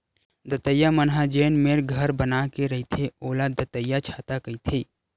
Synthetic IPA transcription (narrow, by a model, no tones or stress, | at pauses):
d̪ət̪əjːamənɦad͡ʒeːnmeɾɡʱəɾbənakeɾəɦit̪ʰeoːlad̪ət̪əjːat͡ʃʰaːt̪akəit̪ʰe